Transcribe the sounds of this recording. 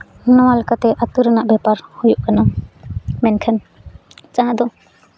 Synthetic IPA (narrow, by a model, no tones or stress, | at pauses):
nɔwalkat̪ɛʔat̪uɾənaʔbjɛpaɾhujuʔkana | mɛnkʰən | t͡ʃãɦad̪ɔ